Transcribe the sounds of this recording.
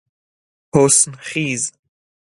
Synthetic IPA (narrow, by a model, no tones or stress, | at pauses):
hosnχiːz